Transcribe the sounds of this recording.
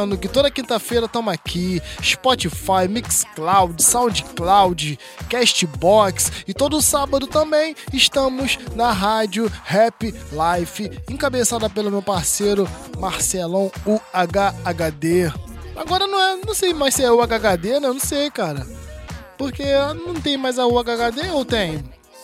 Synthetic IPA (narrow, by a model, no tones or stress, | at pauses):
nd̪ʊkɪt̪od̪ɐkĩnt̪ɐfejɾɐt̪ɐ̃makʰiɪspɔt͡ʃifajmiksklawd͡ʒɪsãw̃d͡ʒɪklawd͡ʒɪ | kɛʃt͡ʃɪbɔksɪt̪od̪ʊːsabɐd̪ʊt̪ɐ̃mbẽj̃ɪʃt̪ɐ̃mʊznɐɦad͡ʒiʊhɛpilajfɪẽkabesad̪ɐpelʊmewpaɾseɾʊ | maɾsɛlɐ̃w̃ʊaɡaːɡad̪ea̰ɡɔɾɐnɐ̃w̃ɛnɐ̃w̃sejmajsɪɛʊaɡaɡad̪enɐ̃w̃nɐ̃sejkaɾɐpoɾkenɐ̃w̃t̪ẽj̃majzɐʊaɡaɡad̪eowt̪ẽj̃